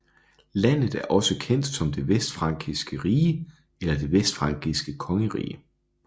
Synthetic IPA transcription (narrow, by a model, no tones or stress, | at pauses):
læn̰ð̩ˠæɐʔɒ̽səkʰen̰d̥sɒ̽md̥e̝ʋesd̥fʁɑ̈ŋ̰ɡ̥isɡ̥əʁiːə | elɐd̥e̝ʋesd̥fʁɑ̈ŋ̰ɡ̥isɡ̥əkʰɒ̽ŋəʁḭːə